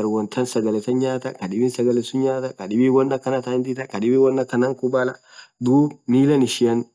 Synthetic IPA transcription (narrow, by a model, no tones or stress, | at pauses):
ɐɾwɔnt̪ʰɐnsɐɡɐlɛsɐɲaːt̪ɐkɐɗɪbɪːnsɐɡɐlɛsʊɲaːt̪ɐkɐᶑɪbiwɔnːɐkːɐnɐt̪aɪnd̪ɪt̪ɐkɐᶑɪbiːwɔnːɐkːɐnɐŋkʊbaːlɐ | d̪uːbmiːlɐnɪʃɪɐn